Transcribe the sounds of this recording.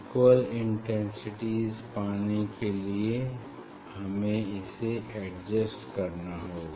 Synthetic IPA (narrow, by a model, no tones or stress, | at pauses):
kwəlɪ̃ɳʈɛ̃nsɪʈiːzpaːnikelie | hɐmẽɪseʔɛɖd͡ʒəsʈkɐɾnaɦoː